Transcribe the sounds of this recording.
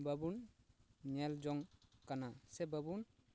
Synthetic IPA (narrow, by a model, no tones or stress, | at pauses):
bəbun | ɲɛld͡ʒɔŋkanasɛbəbun